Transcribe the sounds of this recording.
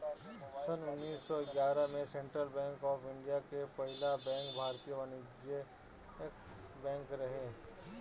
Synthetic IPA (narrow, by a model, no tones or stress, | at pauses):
sənʊnːiːsːɔɪɡjaːɾəmẽsẽɳʈɾəlbɛ̃ːŋkɔːfɪ̃ɳɖijakepɐɦɪlabɛ̃ːŋkbʱaːɾt̪ijəʋənɪd͡ʒe | k | bɛ̃ːŋkɾɐɦeː